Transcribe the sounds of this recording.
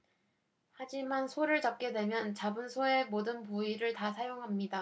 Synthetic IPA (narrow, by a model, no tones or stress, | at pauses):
had͡ʑimansʰoɾɯɭt͡ɕʌp̚k͈e̞dwe̞mjʌnt͡ɕabɯnsʰoe̞modɯnpuiɾɯɭtasʰajoŋɦamɲida